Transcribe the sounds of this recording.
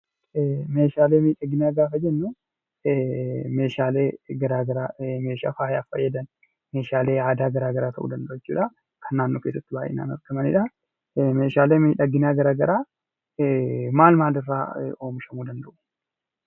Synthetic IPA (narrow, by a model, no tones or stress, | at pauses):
me̞ːʃaːleːmiːᶑɐɡɪnaːɡaːfɐd͡ʒɛnːu | me̞ːʃaːleːɡɐɾaːɡɐɾaːme̞ːʃa̰ːfaːjaːfɐ̰jːɐd̪ɐn | me̞ːʃaːle̞ːaːd̪aːɡɐɾaːɡɐɾaːt̪ʰɐ̰ʔṵːd̪ɐnd̪ɐʔʊɛt͡ʃːuːᶑɐ | kʰɐnːaːnːoːkeːs̬ːɐt̪ːɪbaːjʔḛna̰ːnɐ̰ɾɡɐmɐnɪ̰ᶑɐ | meːʃaːleːmiːᶑɐɡɪnaːɡɐɾaːɡɐɾaː | maːlmaːlɪrːa̰ːo̞ːmɪʃɐmuːd̪ɐnd̪ɐʔʊ̥